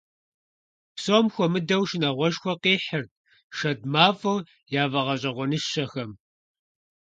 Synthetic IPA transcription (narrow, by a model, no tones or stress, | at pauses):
psoːmxʷɔmɨdɐwʃɪnɐʁʷɔʃxʷɔqiːħɪrt̚ | ʃɐd̚maːfow | jaːvɐʁɐɕʼɐʁʷɔnɨʃɕɐxɐm